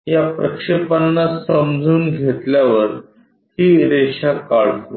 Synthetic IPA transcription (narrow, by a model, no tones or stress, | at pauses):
japɾəkʂepanːasəmd͡zʱuːnɡʱet̪ljaʋəɾ | hiːɾeɕakaɽ̤t̪o